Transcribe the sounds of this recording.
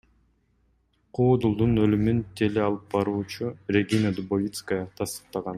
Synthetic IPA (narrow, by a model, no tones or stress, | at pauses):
qʰuːd̪ulˠd̪unø̞lymynt̪ʰe̞leɑlˠɯp̚bɑɾuːt͡ʃurʲe̞ɡʲinəd̪ubovʲit̪skəjət̪ʰɑst̪ɯ̥q̚t̪ɑʁɑn